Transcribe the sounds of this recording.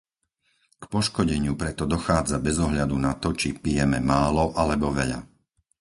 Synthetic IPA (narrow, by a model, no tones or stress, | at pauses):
kpɔʃkɔɟɛɲɪupɾɛt̪ɔd̪ɔxaːd͡zabɛzɔɦʎad̪unat̪ɔt͡ʃipijɛmɛmaːlɔʔalɛbɔʋɛʎa̰